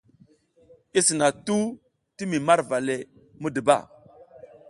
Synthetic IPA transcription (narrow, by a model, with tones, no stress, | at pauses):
i˦si˨na˨tu˦ | ti˦mi˨ma˦ɾva˨le˨ | mu˦də˨ba̰˦˨